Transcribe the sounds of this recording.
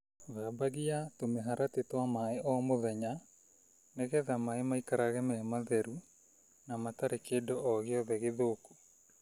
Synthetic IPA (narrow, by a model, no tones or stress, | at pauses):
ðabaɣiatomɛɦaɾatetwamaeʔɔmoðɛɲa | nɛɣɛðamaemaikaɾaɣɛmɛmaðɛɾu | namataɾekedɔʔɔɣeɔðɛɣeðoːko̥